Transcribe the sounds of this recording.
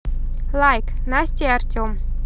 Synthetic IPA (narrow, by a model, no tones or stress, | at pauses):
lajk | nast̪ʲeartʲom